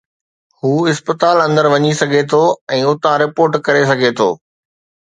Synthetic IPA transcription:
huːɪspət̪aːlɐ̃nd̪əɾʋɐɲisɐɡʱet̪ʰoɛ̃ːʊt̪ãɾɪpoːɾʈkɐɾes̬ɐɡʱet̪ʰo̰ː

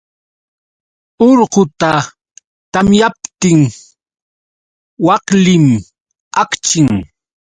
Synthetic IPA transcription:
oɾɢʊt̪a | t̪amjap̚t̪ɪŋ | wɑqlɪm | akt͡ʃɪŋ

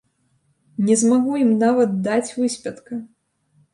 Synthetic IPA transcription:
nʲɛzmaɣujimnavɐt̪̚d̪at͡sʲvɨsʲpʲɐt̪kɐ

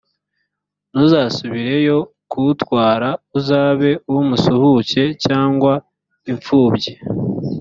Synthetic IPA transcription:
nuzasuβiɾe̞jo̞ | kʰutwaːɾauzaːβe̞uwumusuhuce̞caːŋɡwa | iɱfuːbɟe

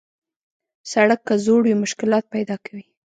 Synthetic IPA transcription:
saɽakːazoɽwimʊʃkɪlɑt̪̚pajd̪ɑkawi

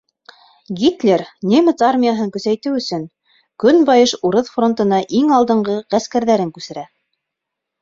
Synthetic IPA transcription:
ɡʲit̪lʲeɾnʲemʲet̪armʲijaɦɤŋkɵ̆sæjt̪ɘwɵ̆sɵŋ | kɵnbɑjɤʃuɾɤðfro̞nt̪ɤ̆nɑʔiŋɑlˠd̪ɤ̆ɴɢɤʁæskæɾðæɾɘŋkʉsɘ̆ɾæ

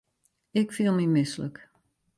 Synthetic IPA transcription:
ɪkfilˠmimɪslək

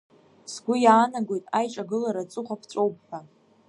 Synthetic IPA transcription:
sɡʷʊjaːnaɡʷo̞jtʼajʈ͡ʂʼaɡɨlaɾat͡sʼʊχʷapʰt͡sʷʼowp̚ʼħa

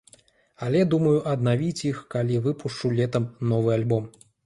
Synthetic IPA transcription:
alʲɛd̪umɐjuʔɐd̪navʲit͡sʲixkalʲivɨpʰuʂt͡ʂulʲɛt̪ɐmnɔvɨalʲbɔm

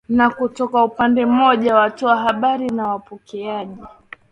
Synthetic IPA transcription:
nakutɔkaupandɛm̩ɔʄawatuwaɦaɓaɾinawapɔkɛaʄi

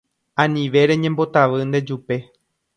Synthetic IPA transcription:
ãnĩʋe̞ɾe̞ɲẽ̞mbo̞t̪aʋɨnd̪e̞d͡ʒupe̞

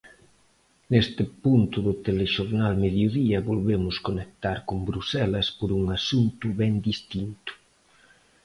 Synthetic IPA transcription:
nest̪ɪpunt̪ʊðʊt̪eleʃoɾnalmeðjoðiɐβolβemʊskonek̚t̪aɾkʊmbɾusɛlɐspoɾuŋasunt̪ʊβɛnd̪ist̪int̪ʊ̥

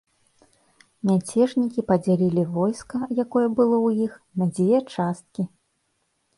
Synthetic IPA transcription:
nʲat͡sʲɛʐnʲikʲipɐd͡zʲalʲilʲivɔjskɐjakɔjɐbɨlˠɔwjixnɐd͡zʲejɛt͡ʂast̪̚kʲi

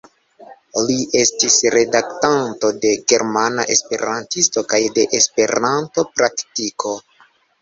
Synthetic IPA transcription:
liʔe̞stisɾe̞daktanto̞de̞ɡe̞ɾmana̰ʔespe̞̰ɾantisto̞kajde̞ʔespe̞ɾanto̞pɾaktikʰo̞

